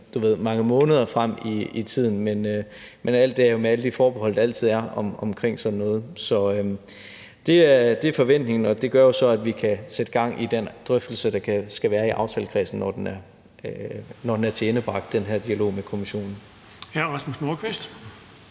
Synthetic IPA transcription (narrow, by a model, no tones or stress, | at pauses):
d̥uʋe̝ð̞̰ˠmɑ̈ŋəmɔ̽ːnəð̞ˠɐfʁam̰iit͡sʰið̰ˠn̩menø | menæl̰d̥e̝æɐomeæləd̥ifɒːb̥eɦɒ̽l̰d̥ɑæl̰t͡sʰið̞̰ˠæɐɒ̽mɒ̽mkʰʁeŋ̰sɒ̽d̥n̩ːɔ̽ːð̩ˠsɒ̽ø | d̥e̝æɐd̥e̝fɒ̽ʋen̰d̥ne̝ŋn̩ɒ̽d̥e̝ɡ̥ɶɐjo̝sɒ̽æd̥ʋikʰæsed̥əɡ̥ɑ̈ŋ̰ʔid̥end̥ʁœfd̥l̩səd̥ɑ̈kʰæsɡ̥æʋæːɐiʔɑ̈ʊt͡sʰɛlkʰʁɛ̰sn̩nɒd̥enæɐ | nɒd̥enæɐt͡sʰeenəb̥ʁɑ̈ɡ̥d̥d̥enɦæɐd̥iælo̝̰ːmekʰo̝miɕo̝̰ːnn̩ | æʁɑsmusnoːkʰʋesd̥